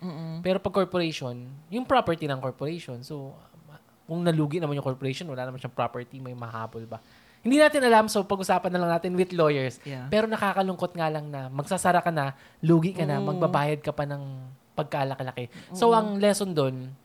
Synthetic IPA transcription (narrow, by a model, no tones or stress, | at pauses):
pɛːɾopɐɡ̚koɹpoɾɛjʃo̞njʊŋpɹopɛɹt̪inɐŋkoɹpoɾɛjʃo̞nso | kʊŋnɐluːɡɪʔnɐmanjʊŋkoɹpoɾɛjʃonwɐlaːnɐmanʃɐŋpɾapɛɹt̪imɐjmɐha̰ːbolbɐ | hɪnd̪inaːt̪ɪnʔɐlamsopɐɡʔʊsaːpɐnːɐlɐŋnaːt̪ɪnwɪt̪lojɛɹspɛːɾo̞nɐkaːkɐlʊŋko̞t̪̚ŋaːlɐŋnɐmɐɡ̚sasɐɾakɐnɐ | luːɡiʔkɐnɐmɐɡbɐbaːjɐd̪̚kɐpɐnɐŋ | pɐɡ̚kalɐkɐlɐkɛso̞ʔɐŋlɛso̞nd̪o̞n